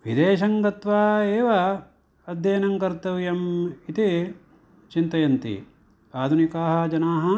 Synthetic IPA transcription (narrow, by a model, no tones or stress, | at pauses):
ʋid̪eːʃɐŋɡɐt̪ʋaːeːʋɐ | ɐd̪ʱjɐːnɐŋkɐɾt̪ɐʋjɐmit̪i | t͡ʃint̪ɐjɐnt̪ḭ | aːd̪ʱunikaːɦɐ̆d͡ʒɐnaːɦɐ